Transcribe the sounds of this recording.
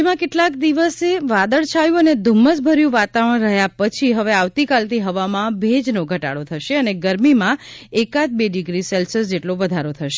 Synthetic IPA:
emãkeʈlakd̪iʋəseʋad̪əɭt͡ʃʰajũəned̪ʱumːəsbʱəɾjũʋat̪aʋəɳ̃ɾəɦjapət͡ʃʰiɦəʋeaʋt̪ikalt̪ʰiɦəʋamãbʱed͡ʒnoɡʱəʈa̰ɽot̪ʰəʃeəneɡəɾmimãekat̪̚beɖiɡɾiselsəsd͡ʒeʈloʋəd̪ʱaɾot̪ʰəʃe

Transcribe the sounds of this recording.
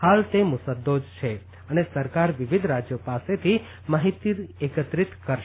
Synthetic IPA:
halt̪emʊsəd̪od͡ʒt͡ʃʰe | ənesəɾkaɾʋɪʋɪd̪ʱɾad͡ʒjopaset̪ʰi | maɦit̪iɾekət̪ɾɪt̪kəɾʃ

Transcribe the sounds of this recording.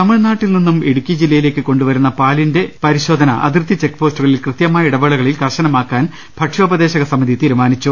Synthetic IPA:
t̪ɐmːɐɭnaːʈːilninːume̞ɽukʲːiɐd͡ʑilːɐjile̞ːkːɨko̞ɳɖuʋɐɾunːɐpaːlinde̞pɐɾiɕo̞ːd̪ʱɐnɐʔɐ̰d̪irt̪iɐt͡ɕe̞kːpo̞ːstuɣɐɭilkrɨt̪jɐmaːjɐiɽɐʋeːɭɐɣɐɭilkɐrɕɐnɐmaːkːaːn | bʱɐʈʂoːbɐd̪e̞ːɕɐɣɐsɐmːɐd̪it̪iːɾumaːnit͡ɕːu

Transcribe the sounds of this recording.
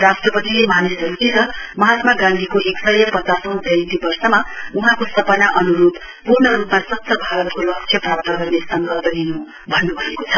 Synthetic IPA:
rasʈrʌpʌt̪ilemanisʌɾut̪iɾʌmʌɦat̪maɡãnd̪ʱikoʔeksʌjʌpʌt͡sasʌ̃w̃d͡zʱʌ̃t̪ibʌrsʌmauɦãkosʌpʌnaʔʌnuɾud̪ | purnʌɾupmasʌt̪sʰʌbʱaɾʌt̪kolʌkt͡sʰjʌprap̚t̪aɡʌrnesʌnɡʌrd̪ʌd̪inũ | bʱʌnːubʱʌekot͡sʰʌ

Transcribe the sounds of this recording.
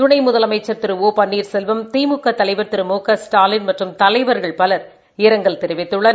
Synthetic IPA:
t̪ʊɳɐɪmʊðɐlɐmɐɪt͡ʃːɐɾt̪ɪɾɯoːpɐnːiːɾsɛlʋɐmt̪iːmʊkːɐt̪ːɐlɐɪʋɐɾt̪ɪɾɯmoːkːɐsʈaːlɪnmɐʈrɯmt̪ɐlɐɪʋɐɾɣɐɭpɐlɐɾ | ɪɾɐŋɡɐɭt̪ɪɾɯʋɪt̪ːɯɭːɐn

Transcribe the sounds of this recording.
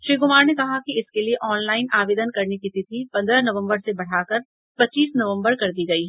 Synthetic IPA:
ʃɾiːɡʊmaːɾnekɐɦakiɪskelieʔɔːnlaːɪnaːʋeːd̪ənkɐɾnekit̪it̪ʰipɐ̃nd̪ɾənɐʋə̃mbəɾsebɐɽ̤aːkɐɾ | pɐtːt͡ʃːiːsnɐʋə̃mbəɾkɐɾd̪iɡɐiɦ

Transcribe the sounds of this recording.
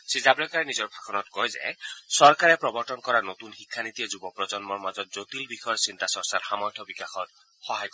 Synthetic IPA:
sizabɹɛkaɹɛnizɔɹbʱakʰɔnɔt̪kɔjzḛsɔɹkaɹɛpɹɔbɔɹtɔnkɔɹanot̪unxikʰːanit̪iezubɔpɹɔd͡ʒɔnmɔɹmazɔt̪̚zot̪ilbixɔjɔsint̪asɔɹsaɾhamɔjt̪ʰɔbikaxɔt̚ | xɔɦajkɔ

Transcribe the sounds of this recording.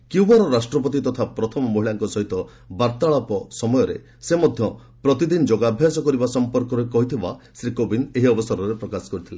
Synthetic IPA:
kiwbɔɾɔɾasʈɾɔpɔt̪̬it̪ɔt̪ʰapɾɔt̪ʰɔmɔmoɦilaŋkɔsɔɦit̪ɔ | baɾt̪aɭapɔsɔmɔjɔɾḛ | semɔd̪ʱjɔ | pɾɔt̪id̪inɔd͡ʒɔɡabʱjasɔkɔɾibasɔmpɔɾkɔɾɔekɔɦit̪ʰibasɾikobineɦiɔbɔsɔɾɔɾepɾɔkasɔ̥kɔɾit̪ʰile

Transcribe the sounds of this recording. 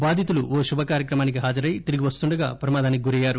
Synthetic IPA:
baːd̪ʱit̪uluʋoːʃubʱɐkaːɾjɐkɾɐmaːnik̬iɦaːd͡ʒɐɾɐjt̪iɾiɡiʋɐst̪uɳɖɐɡa̰ːpɾɐmaːd̪aːniiɡuɾɐjaːɾu

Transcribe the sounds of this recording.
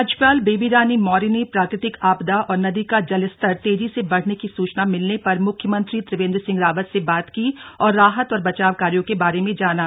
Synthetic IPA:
ɐd͡ʒpaːlbeːbiɾaːnimɔːɾinepɾaːkɾɪt̪ɪkaːbd̪aʔɔːɾnɐd̪ikad͡ʒɐlɪst̪əɾt̪eːd͡ʒisebɐɽ̤nekisuːt͡ʃnamɪlnepɐɾmʊkʰːjəmə̃nt̪ɾit̪ɾɪʋẽːnd̪ɾsɪ̃ŋɡɾaːʋət̪sebaːt̪kiɔːɾːaːɦət̪ɔːɾbɐt͡ʃaːʋkaːɾijõkebaːɾemẽd͡ʒaːnaː

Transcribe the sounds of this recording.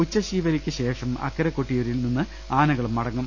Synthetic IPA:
ut͡ɕːɐɕiːʋɐɾikʲːɨɕe̞ːʂɐmɐ̰kːɐɾɐkːoʈːijoɾilninːɨ | aːnɐɣɐɭumːɐɽɐŋːum

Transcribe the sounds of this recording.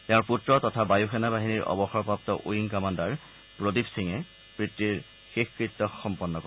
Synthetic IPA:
tɛʊ̃ɹputɹɔtɔtʰabajuxɛnabaɦiniɹʔɔ̰bɔxɔɹɔpap̚tɔʔojiŋkɔmandaɹ | pɹodibsiŋɛ | pɹit̪ːiɹ | xexkɹit̪ːɔxɔmpɔnːɔkɔ

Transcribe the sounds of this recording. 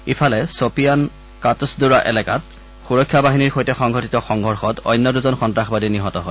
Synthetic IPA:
ipʰalɛsopijan | katusduɹaʔɛ̰lɛkat | xuɹɔkʰːjabaɦiniɹxojtɛxɔŋɡʱɔtitɔxɔŋɡʱɔɹxɔtɔ̰jnːɔduzɔnxɔntɹaxbadiniɦɔtɔɦɔ

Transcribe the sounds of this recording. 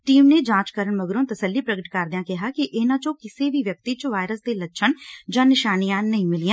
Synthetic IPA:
ʈiːmneːd͡ʒãːt͡ʃkəɾəɳməɡɾõːt̪əsəlːiːpɾəɡəʈkəɾd̪ɪãːkɪɦaːkɪʔɪnãːt͡ʃõːkɪseːʋiːʋjək̚t̪iːt͡ʃoʋaːɪɾəsd̪eːlətːʃʰəɳd͡ʒãːnɪʃaːnijãːnəĩːmɪlijãː

